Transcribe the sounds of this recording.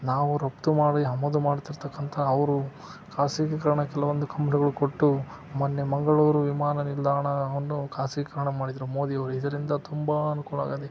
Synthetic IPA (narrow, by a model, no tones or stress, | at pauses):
naːʋuɾɐp̚t̪umaːɽiɦɐmɐd̪umaːɽt̪iɾt̪ɐkːɐnt̪ʰɐːʋɾu | kʰaːsikɐkɐɾɐɳɐkɛlɐʋond̪ukʰɐmpɐniɡɐɭukoʈːu | maːnːemɐŋɡɐɭoːɾuʋimaːnɐnild̪aːɳɐʋɐnːukʰaːsikɐkɐɾɐɳɐmaːɽid̪ɐɾumo̞ːd̪iɐʋɾuid̪ɐɾind̪ɐt̪umbɐɐnukuːla̰ːɡɐd̪e